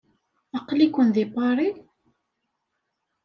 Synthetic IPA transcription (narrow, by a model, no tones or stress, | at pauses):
ɑqlikʷənðipɑɾˤi